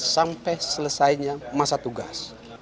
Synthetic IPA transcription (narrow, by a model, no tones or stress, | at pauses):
sampɛsələsajɲamasat̪uɡas